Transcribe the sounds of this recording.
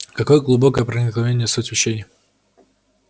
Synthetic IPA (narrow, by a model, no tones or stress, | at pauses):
kɐko̞jəɡlˠʊbokəjəpɾənʲɪknɐvʲenʲɪjəsutʲvʲɪɕːejʲ